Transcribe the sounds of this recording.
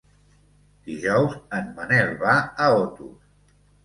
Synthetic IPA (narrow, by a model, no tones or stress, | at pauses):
d̪̥iʒɔwzənmənɛlβaəot̪ṵs